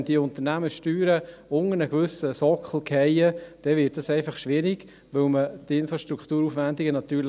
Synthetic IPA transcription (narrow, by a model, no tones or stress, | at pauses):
nd̥iəʊnt̪ənæməʃtyːɾəʊŋənəɡvʏsəsɔkχl̩ˠkʰɛɪəd̥ɛʋɪt̚dɑsɛɪfɑχʃʋɪɾiɡ | ʋɵlməd̥ɪnfɾɑʃt̪ɾukt̪uːɾuːfʋændiɡənɑt̪yːl